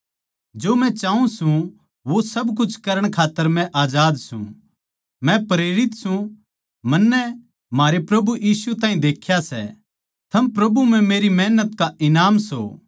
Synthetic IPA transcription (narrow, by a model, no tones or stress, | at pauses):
d͡ʒoːmɛ̃t͡ʃaːũsũ | ʋosɐbk̬ʊt͡ʃʰkɐɾəɽ̃kʰaːt̪ːəɾmɛ̃ʔaːd͡ʒaːd̪sṵ̃ | mɛ̃pɾeːɾɪt̪sũ | mɐnːɛ | m̤aːɾepɾɐbujiːsut̪aːɦĩd̪eːkʰjasɛ̰ | t̪ʰɐmpɾɐbum̤ɛ̃meːɾimɛɦnət̪kaʔɪnaːmso̰ː